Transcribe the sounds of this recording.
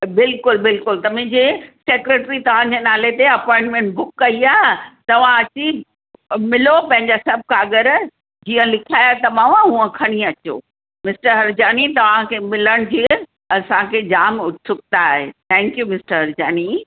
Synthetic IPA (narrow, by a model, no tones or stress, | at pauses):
bɪlkʊlbɪlkʊlt̪ɐmɪ̃ːd͡ʑeseːkɾeːʈɾit̪ɐʋ̤ãd͡ʑeːnaːlet̪eɐpɔ̃ːɪ̃ɳʈmẽːɳʈbʊkːɐiaːɦt̪ɐʋ̤ãɐt͡ɕi | mɪlopɐ̃ɦɪ̃ɲd͡ʑasɐb̚ʱkaːɡəɾ | d͡ʑiːə̃lɪkʰiaːjat̪ɐmãʋãɦũə̃kʰɐɽ̃iɐt͡ɕo̰ː | mɪsʈəɾɦɐɾd͡ʑaːnit̪ɐʋ̤ãkʰeːmɪləɽ̃d͡ʑiː | ɐsãkʰeːd͡ʑaːmʊʈʰsʊk̚t̪aːɦḛt̪ʰɛ̃ːŋkjumɪsʈəɾɦɐɾd͡ʑaːni